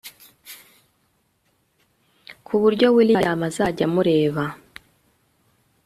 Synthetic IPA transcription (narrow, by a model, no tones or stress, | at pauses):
kʰuβuɾɟo̞wilajamazaɟamuɾe̞ːβa